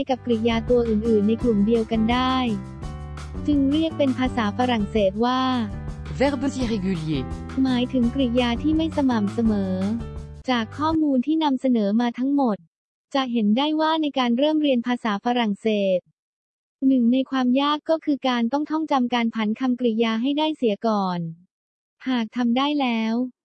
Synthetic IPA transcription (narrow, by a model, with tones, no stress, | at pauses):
jka˨˩p̚kɾi˨˩jaː˧t̪u˧ɐʔɯː˨˩nʔɯː˨˩nːa˧jklu˨˩mdi˧əwka˧ndaː˥˩j | t͡ɕɯ˧ŋɾi˥˩ək̚pe˧npʰaː˧saː˩˦fa˧ɾa˨˩ŋseː˨˩t̪̚waː˥˩vɛ˦˥bu˦˥ti˦˥ʁe˧ɡu˧lie˨˧˩ | maː˩˦jt̪ʰɯ˩˦ŋkɾi˨˩jaː˧t̪ʰiː˥˩ma˥˩jsa˧ma˨˩msa˧mɤː˩˦t͡ɕaː˨˩kʰːɔː˥˩muː˧nt̪ʰiː˥˩na˧msa˧nɤː˩˦maː˧t̪ʰa˦˥ŋmo˨˩t̪̚ | t͡ɕa˨˩ɦe˩˦ndaː˥˩jwaː˥˩na˧jkaː˧nɾɤː˥˩mɾi˧ənpʰaː˧saː˩˦fa˧ɾa˨˩ŋseː˨˩t̪̚ | nɯ˨˩ŋna˧jkʰwaː˧mjaː˥˩kːɔː˥˩kʰɯː˧kaː˧nt̪ɔ˥˩ŋt̪ʰɔ˥˩ŋt͡ɕa˧mkaː˧npʰa˩˦nkʰa˧mkɾi˨˩jaː˧ɦa˥˩jdaː˥˩jsi˩˦əkɔː˨˩n | haː˨˩k̚t̪ʰa˧mdaː˥˩jlɛː˦˥w